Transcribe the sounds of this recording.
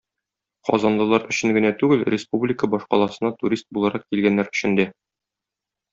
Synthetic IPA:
qɒ̰zɑnlˠɤ̆lˠɑɾɵ̆ɕɘŋɡɘ̆næt̪ʉɡɘlrʲɪspublʲɪkəbɒʃqɒ̰lˠɑsɤ̆nɑt̪uɾʲist̪̚bulˠɑɾɑqkilɡænːæɾɵ̥̆ɕɘ̆nd̪æ

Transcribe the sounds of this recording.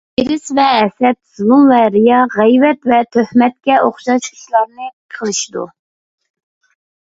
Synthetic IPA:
biɾɪsvɛːsɛt̪̚z̥ulˠumvɛɾijɑʁɛjvɛt̪vɛt̪ʰøhmɛt̪̚kʲɛʔoχʃɑt͡ʃʰy̥ʃlˠɑɾnɨqʰəlˠɨʃid̪ṵ

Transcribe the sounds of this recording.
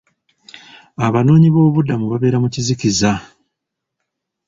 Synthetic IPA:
aβano̞ːɲiβo̞ːβudamuβaβe̞ːɾamuciziciza

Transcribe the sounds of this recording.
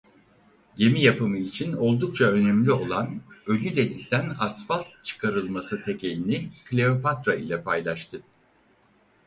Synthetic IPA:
ɟe̞mijapɯmɯit͡ʃʰino̞lˠd̪uk̚t͡ʃʰaø̞nemlʲio̞lˠanø̞lʲyd̪e̞d̪izd̪ænasfalˠt̪̚t͡ʃʰɯ̥kʰaɾɯlˠmasɯt̪ʰecʰe̞lʲiniklʲe̞o̞pat̪ɾailʲɛpʰajlˠaʃt̪ʰɯ

